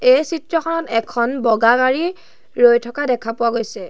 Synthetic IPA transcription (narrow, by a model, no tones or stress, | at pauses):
ejsitɹɔxʰɔnɔtɛkʰɔnbɔɡaɡaɹi | ɹojtʰɔkadɛkʰapʊwaɡojsɛ